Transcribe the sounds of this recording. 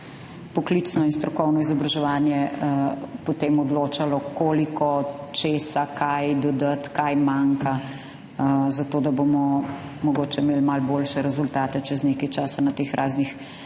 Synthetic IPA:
pɔklit̪snɔinst̪ɾɔkɔwnɔizɔbɾaʒɛʋanjɛ | pɔt̪eːmɔd̪loːt͡ʃalɔkoːlikɔt͡ʃeːsakʰajd̪ɔd̪ət̪kajmaŋka | zat̪oːd̪abomɔ | mɔɡoːt͡ʃɛmeːlmalboːlʃɛɾɛzult̪aːt̪ɛt͡ʃɛznekajt͡ʃaːsanat̪eːxɾʔaznix

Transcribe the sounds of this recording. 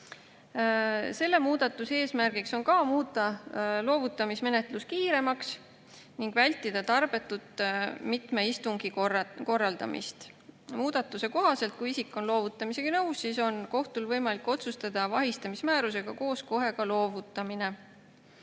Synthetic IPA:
se̞lːe̞muːd̪̥ɑt̪ˑːuse̞ːsmærɡ̥ikso̞nkɑːmuːt̪ːˑɑlo̞ːvut̪ːˑɑmisme̞net̪ˑluskiːɾe̞mɑks | niŋɡ̥vælʲt̪ːˑid̪̥ɑt̪ɑrb̥e̞t̪ːˑut̪ːˑmit̪meist̪uŋɡ̥iko̞rːɑld̪ɑ̰mʔḭst̪ | muːd̪̥ɑt̪ːˑuse̞ko̞ɦɑse̞lt̪̚kuisikːˑo̞nlo̞ːvut̪ːˑɑmise̞ɡ̥ɑnɤwsːiːso̞nko̞ht̪ulvɤjmɑlikːˑo̞t̪sust̪ɑd̪̥ɑvɑɦist̪ɑmismæːɾuse̞ɡ̥ɑko̞ːsko̞ɦe̞ɡ̥ɑlo̞ːvut̪ːˑɑmine̞

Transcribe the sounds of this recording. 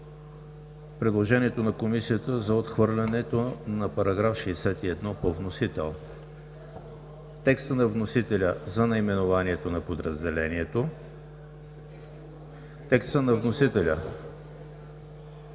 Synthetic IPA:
pɾɛd̪lˠoʒɛniɛt̪onɐkomisijət̪əzɐot̪xvɤɾlʲɐnɛt̪onɐpɐɾɐɡɾafʃɛsɛt̪iɛd̪nɔpovnosit̪ɛlˠ | t̪ɛkst̪ənɐvnosit̪ɛlʲəzɐnɐimɛnovaniɛt̪onɐpod̪ɾəzd̪ɛlɛniɛt̪o | t̪ɛkst̪ənɐvnosit̪ɛlʲə

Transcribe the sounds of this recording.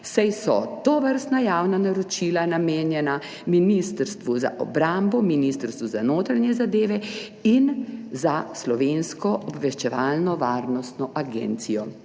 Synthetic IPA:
sajsɔt̪ɔʋəɾst̪najaːwnanaɾɔt͡ʃilanameːnjɛna | minist̪əɾst̪ʋuza̰ʔɔ̰bɾambɔminist̪əɾst̪ʋuzanoːt̪ɾanjɛzad̪eːʋɛ | inzaslɔʋenskɔʔɔbʋɛʃt͡ʃɛʋaːlnɔʋaːɾnɔst̪nɔʔaɡɛ̰ːnt̪sijɔ

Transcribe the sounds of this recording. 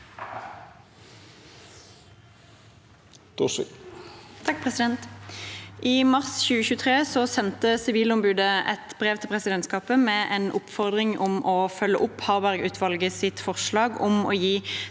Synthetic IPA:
t̪ʰɑk̚pʰʁɛsɪd̪ɛnt̪ | ʔiːmɑʁsçʉːəçʉːət̪ʰʁeːsɔsɛnt̪əsɪʋiːlɔmbʉːd̪əʔɛ̰t̪bʁeːʋt̪ʰɪlpʰʁɛsɪd̪ɛnskɑːpəmeʔeːnʔʊpfɔʁd̪ʁɪŋɔmɔːfœlːəʔʊphɑːʁbæʁɡʉːt̪ʰʋɑlɡəsɪt̪fɔʁʃlɑːɡɔmo̰ːjiː

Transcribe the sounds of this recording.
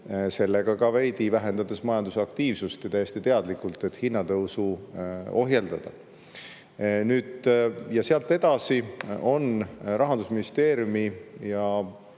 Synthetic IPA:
se̞lːeɡ̥ɑkɑvejd̪ivæɦe̞nd̪ɑd̪esmɑjɑnd̪usɑk̚t̪iːvsust̪jɑt̪æjːæsʲt̪it̪e̞ɑd̪̥likːˑult̪ːˑe̞t̪hinːɑd̪eusuo̞ɦjeld̪ɑd̪̥ɑ | nyːd̪̥jɑseɑlt̪ːˑe̞d̪̥ɑsio̞nrɑɦɑnd̪usminist̪e̞ːɾjumijɑ

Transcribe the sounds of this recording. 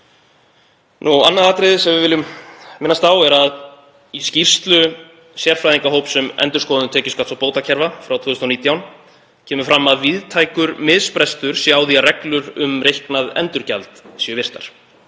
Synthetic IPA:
nua̰nːaðaːt̪ɾɪðɪsɛmvɪvɪːlːʏmmɪnːast̪aːwɛɾað | iscir̥st̪lʏ | sjɛr̥fɾajðiŋkaɦowpsɛmɛ̰nt̪ʏɾ̥kɔːðʏnʏt̪ʰɛːcɪskat̪sawpoːwt̪acʰɛɾvafɾawt̪ʰɔːðʏst̪ɔniːt̪jawn | cʰɛːmʏfɾamːaðviðt̪ʰaːjkʏɾmɪðspɾɛst̪ʏɾ̥sjawðiarɛklʏɾʏmrejhknaðɛ̰nt̪ʏɾca̰lt̪siʏvɪr̥t̪a̰ɾ̥

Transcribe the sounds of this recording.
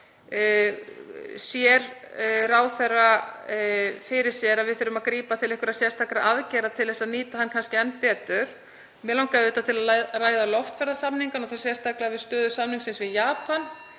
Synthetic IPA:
sjɛɾ | raːwθɛrːa | fɪɾɪɾ̥sjɛɾaðvɪðθʏɾʏmaðkɾiːpat̪ʰɪlɛhkʏɾasjɛst̪ʰakɾa̰ʔaðcɛːɾat̪ʰɪlðɛsːaðniːt̪ahankʰanscɪɛnpɛːt̪ʏɾ̥ | mɛlawŋkaɪt̪at̪ʰɪlaðaraːjðalɔft̪fɛɾðasamniŋkanɔwθḁsjɛst̪ʰaklavɪðst̪œːðʏsamniŋksɛnsvɪðjaːpan

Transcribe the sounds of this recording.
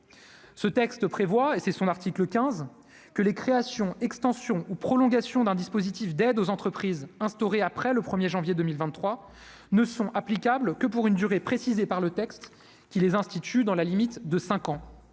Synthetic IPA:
sət̪ɛkst̪əpχevwaesɛsɔ̃naʁt̪ikləkʲɛ̃z | kəlekχeasjɔ̃ɛkst̪ɑ̃sjɔ̃upχɔlɔ̃ɡasjɔ̃d̪ɛ̃d̪ispozit̪ifd̪ɛd̪ozɑ̃t̪χəpχizɛ̃st̪ɔʁeapχɛləpχəmjeʒɑ̃vjed̪əmilvɛ̃nːχwa | nəsɔ̃ʔaplikʲablkəp̬uʁynd̪yʁepχesizepaʁlət̪ɛkst̪ | kʲilezɛ̃st̪it̪ʰyd̪ɑ̃lalimit̪d̪əsɛ̃kɑ̃

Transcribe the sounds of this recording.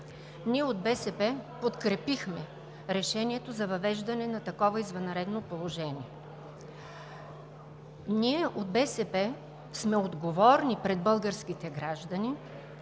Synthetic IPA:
niɛod̪̚bɛsɛpɛpot̪kɾɛpixmɛ | ɾɛʃɛniɛt̪ozɐvɐvɛʒd̪ɐnɛnɐt̪ɐkɔvɐizvɐnɾɛd̪nopolˠoʒɛniɛ | niɛʔod̪̚bɛsɛpɛ | smɛod̪ɡovɔɾnipɾɛd̪̚bɤlˠɡəɾsk̟it̪ɛɡɾaʒd̪ɐni

